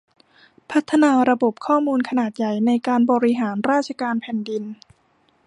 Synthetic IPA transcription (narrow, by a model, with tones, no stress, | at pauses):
pʰa˦˥t̪ʰːa˧naː˧ɾa˧bo˨˩p̚kʰɔː˥˩muː˧nkʰa˧naː˨˩t̪̚ja˨˩jna˧jkaː˧nbɔː˧ɾi˦˥ɦaː˩˦nɾaː˥˩t̪̚t͡ɕʰa˧kaː˧npʰɛː˨˩ndi˧n